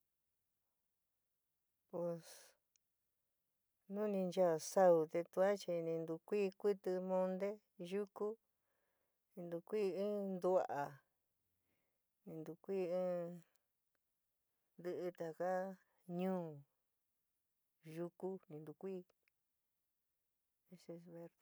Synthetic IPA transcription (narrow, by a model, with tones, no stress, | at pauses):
pwe˧˨s | nũ˦nĩ˧nt͡ʃa˦˧˨sa˧u˧˨t̪e˧t̪u˧a˦t͡ʃi˧nĩ˧nd̪u˧kʷiː˦kʷi˦t̪ɨ˧mõ˧nd̪e˦ | ʒu˦ku˦ | nĩ˧nd̪u˧kʷi˦˧ĩ˦nd̪u˧a˧ʔa˨ | nĩ˧nd̪u˧kʷiː˦˧ɨ̃ː˦ | nd̪ɨ˧ʔɨ˧t̪a˨ka˦ | ɲũː˦ | ʒu˧ku˦nĩ˧nd̪u˧kʷiː˦ | e˧ʃe˧sβe˧ɾ